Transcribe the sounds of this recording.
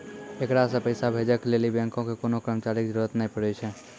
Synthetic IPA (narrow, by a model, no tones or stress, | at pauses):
ekɾasə̃pəɪsabʱed͡ʒəklelibɛ̃ŋkõkekonokɾəmət͡ʃaɾikd͡ʒəɾuɾət̪nəipəɽɛt͡ʃʰɛ